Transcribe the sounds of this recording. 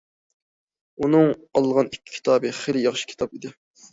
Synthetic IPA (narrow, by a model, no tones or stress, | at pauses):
unɨŋɑlˠʁɑnikʲʰːi̥kʲʰi̥t̪ʰɑːbɨχelɪjɑχʃi̥kʲʰi̥t̪ʰɑpid̪ɪ